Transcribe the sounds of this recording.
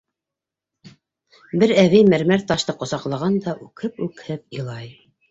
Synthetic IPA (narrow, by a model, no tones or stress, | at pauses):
bɘɾæβɘjmæɾmæɾt̪ɑʃt̪ɤqŏsɑqlˠɑʁɑnd̪ɑʔʉkʰɘpʉkhɘp̚ɤ̆lˠɑj